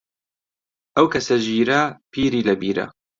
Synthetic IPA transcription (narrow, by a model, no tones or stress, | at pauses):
ʔɐwkʰɐsɐʒiːɾɐpʰiːɾiːlɐbiːɾɐ̰